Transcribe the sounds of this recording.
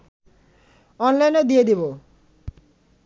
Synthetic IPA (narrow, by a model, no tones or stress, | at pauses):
ɔnlajned̪ied̪ibo